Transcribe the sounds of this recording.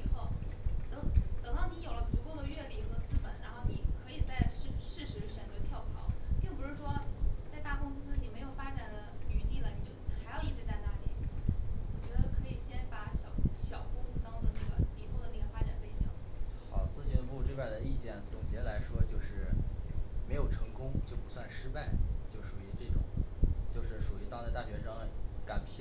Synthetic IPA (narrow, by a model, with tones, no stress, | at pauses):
xo˥˩ʊt̪ɤ˧˥ŋt̪ɤ˨˩ŋd̪ɑ˥˩ni˧˥jo˨˩ʊlə˦pu˧˥ko˥˩ʊd̪ə˩ɥɛ˥˩li˨˩xɤ˧˥t͡sɹ̩˥pə˨˩˦nɻa˧˥nxo˥˩ni˨˩kʰɤ˧˥i˨˩t͡sa˥˩˧ɪʂ̩˥˧ʂɻ̩˥˩ʂɻ̩˧˥ʂɥnt̪ə˧˥t̪ʰjɑ˥˩ʊt͡sʰɑ˧˥ʊpɪ˥˩ŋpu˧˥ʂɻ̩˥˩ʂwɔ˥t͡sa˥˧ɪt̪a˥˩kʊ˥ŋsɹ̩˥ni˨˩me˧˥ɪjo˨˩ʊfa˥ʈ͡ʂa˨˩nd̪ə˦y˨˩t̪i˥˩lə˩ni˨˩t͡ɕjo˥˩ʊ˩xa˧˥ɪjɑ˥˧ʊi˥˩ʈ͡ʂɻ̩˧˥t͡sa˥˧ɪt̪a˥˩lḭ˨˥˦wɔ˨˩t͡ɕɥɛ˧˥d̪ə˧kʰɤ˧˥i˨˩ɕjɛ˥npa˧˥ɕjɑ˨˩ʊɕjɑ˨˩ʊkʊ˥ŋsɹ̩˥t̪ɑ˥ŋd̪ə˥˧na˥˩ɡə̰˩li˨˩t̪ʰo˧˥d̪ə˧na˥˩ɡə˩fa˥ʈ͡ʂa˨˩npe˥˧ɪt͡ɕɑ̰˥˩ŋxɑ˨˩˦ʊt͡sɹ̩˥˩t͡ɕy˥˧pu˥˧ʈ͡ʂe˥˧pa˥˩ɪd̪ə˩i˥˧t͡ɕjɛ˥˩nt͡sʊ˨˩ŋt͡ɕjɛ˥la˧˥ɪʂwɔ˥t͡ɕjo˥˧ʊʂɻ̩˥˩ | me˧˥ɪjo˨˩ʊʈ͡ʂʰɤ˧˥ŋkʊ˥ŋt͡ɕjo˥˩ʊpu˧˥swa˥˩nʂɻ̩˥pa˥˩ɪt͡ɕjo˥˩ʊʂu˨˩y˧˥ʈ͡ʂɤ˥˩ʈ͡ʂʊ̰˨˩˦ŋt͡ɕjo˥˧ʊʂɻ̩˥˩ʂu˨˩y˧˥t̪ɑ˥˧ŋt͡sa˥˧ɪt̪a˥˩ɕɥɛ˧˥ʂɑ˥ŋka˨˩npʰɛ˥˩